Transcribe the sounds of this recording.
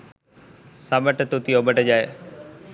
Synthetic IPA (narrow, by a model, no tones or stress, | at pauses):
saːməʈt̪ut̪ioːbəʈəd͡ʑaːeː